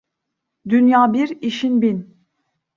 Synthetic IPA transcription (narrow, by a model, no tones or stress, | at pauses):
d̪ynjaːbiɾiʃinbin